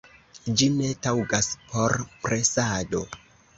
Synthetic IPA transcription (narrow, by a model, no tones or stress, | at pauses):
d͡ʒine̞tawɡaspʰo̞ɾpɾe̞sado̞